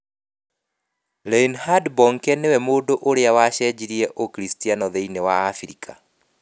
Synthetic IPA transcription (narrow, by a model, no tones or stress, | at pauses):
lɛinhadbɔŋkɛnewɛmoːdoʔoɾeawaɕɛd͡ʑiɾiɛʔokɾistianɔðeinewa̰ːfiɾikʰa